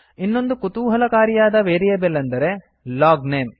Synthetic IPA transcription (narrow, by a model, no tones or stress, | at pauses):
inːo̞nd̪ukut̪uːɦɐlɐkaːɾijaːd̪ɐʋeːɾijɐbelːɐnd̪ɐɾe | laːɡneːm